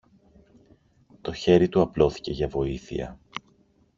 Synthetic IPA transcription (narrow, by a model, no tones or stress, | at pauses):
t̪o̞çe̞ɾit̪uɐplo̞θi̥ce̞ʝɐvo̞iθḭɐ̰